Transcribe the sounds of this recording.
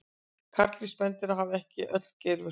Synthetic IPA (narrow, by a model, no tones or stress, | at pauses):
kʰaɾt̪lispɛnt̪ɪɾaɦavɛhcɪʔœ̰t̪l̥cɛjɾvɪ